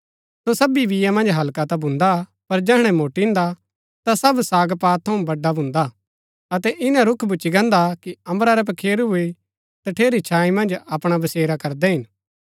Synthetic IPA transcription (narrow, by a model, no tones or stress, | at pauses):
sosɐbibɪjamɐ̃nd͡ʒɦɐlkat̪abʱʊ̃nd̪a | pɐɾd͡ʒɛɦɽ̃ɛ̃moːʈĩnd̪a | t̪asɐbsaːɡpaːtt̪ʰːɐũbɐɖːabʱʊ̃nd̪a | ɐt̪ɛʔɪnãɾʊkʰbʊt͡ʃːiɡɐ̃nd̪akiɐ̃mbɾaɾɛp̬ɐkʰeːɾɦʊe | t̪ɐʈʰeːɾit͡ʃʰaːĩmɐ̃nd͡ʒɐpɽ̃abɐseːɾakɐɾd̪ɛɦɪn